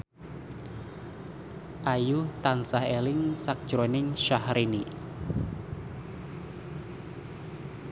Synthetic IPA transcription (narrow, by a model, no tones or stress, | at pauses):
ʔajut̪ansahelɪŋsak̚d̥ʒ̥ɾonɪŋʃahɾini